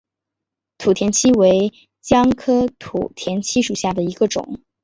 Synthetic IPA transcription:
t̪ʰu˨˩t̪ʰjɛ˧˥nt͡ɕʰi˥we˧˥ɪ | t͡ɕjɑ˥ŋkʰɤ˥t̪ʰṵ˨˩t̪ʰjɛ˧˥nt͡ɕʰi˥ʂu˨˩ɕja˥˩d̪ə˩i˧˥ɡə˧ʈ͡ʂʊ̰˨˩˦ŋ

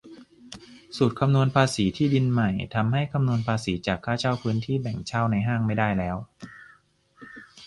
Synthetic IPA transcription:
su˨˩t̪̚kʰa˧mnu˧ənpʰaː˧siː˩˦t̪ʰiː˥˩di˧nma˨˩jt̪ʰa˧mha˥˩jkʰa˧mnu˧ənpʰaː˧siː˩˦t͡ɕaː˨˩kʰːaː˥˩t͡ɕʰa˥˩wpʰɯː˦˥nt̪ʰiː˥˩bɛ˨˩ŋt͡ɕʰaː˥˩wna˧jɦaː˥˩ŋma˥˩jdaː˥˩jlɛː˦˥w

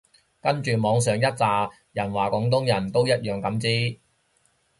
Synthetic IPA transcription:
kɐ˥nt͡ʃyː˨mɔː˨˧ŋsœː˨ŋjɐ˥t̚t͡saː˨ | jɐ˨˩nwaː˨˩kʊ˨˧˥ŋt̪̬ʊ˥ŋjɐ˨˩nt̪o˥wjɐ˥t̚jœː˨ŋkɐ˨˥mt͡siː˥

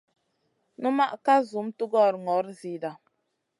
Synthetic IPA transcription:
nu˦ma˦ʔka˦zu˨˦mtu˦ɡɔ˦˨ɾŋɔ˨˦ɾzi˨da˨

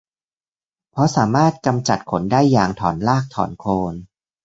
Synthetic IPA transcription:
pʰɾɔ˦˥saː˩˦maː˥˩t̪̚ka˧mt͡ɕa˨˩t̪̚kʰo˩˦ndaː˥˩jːaː˨˩ŋt̪ʰɔː˩˦nlaː˥˩k̚t̪ʰɔ̰ː˩˦nkʰoː˧n

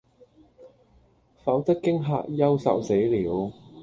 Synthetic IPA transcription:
fɐ˨˥wt̪ɐ˥kkːɪ˥ŋɦa̰ː˧k̚jɐ˥wsɐ̰˨wse˨˥jliː˨˥w

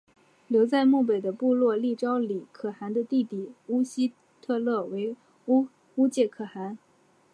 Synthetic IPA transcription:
ljo˧˥ʊt͡sa˥˧ɪmu˥˩p̬e˨˩ɪd̪ə˦pu˥˧lwɔ˥˧li˥˩ʈ͡ʂɑ˥ʊli˨˩kʰɤ˨˩xa˧˥nd̪ə˧t̪i˥˩t̪i˨˩u˥ɕi˥ | t̪ʰɤ˥˧lɤ˥˩we˧˥ɪ | u˥ | u˥t͡ɕjɛ˥˩kʰɤ˨˩xa˧˥n

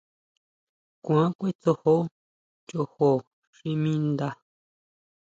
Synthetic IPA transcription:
kʷã˨˦kʷe˦t͡so˧ho˦ | t͡ʃo˧˨ho˨ | ʃi˧mĩ˦nd̪a˧

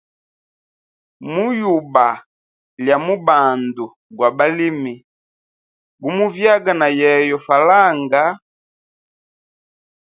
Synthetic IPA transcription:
mu˦ju˨ba˨ | lja˨mu˦ba˨ndu˨ | ɡwa˨ba˦li˦mi˨ | ɡu˦mu˦vja˦ɡa˨na˨jɛ˨jɔ˨fa˨la˦˨ŋɡa˨˦

